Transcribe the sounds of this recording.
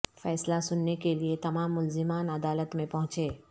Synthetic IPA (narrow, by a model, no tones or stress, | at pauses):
fɛːslasʊnːekeliet̪ɐmaːmːʊlzɪmaːnɐd̪aːlət̪mẽpɐɦʊ̃t͡ʃeː